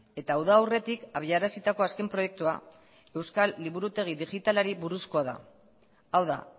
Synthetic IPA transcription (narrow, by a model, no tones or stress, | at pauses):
e̞t̪aːwðaːwre̞t̪ikaβ̞iaɾasit̪ako̞aske̞mpɾo̞je̞k̚t̪ua̰ | e̞wskalːiβuɾut̪e̞ɣ̞iðiʝit̪alaɾiβuɾusko̞aða̰ | awða̰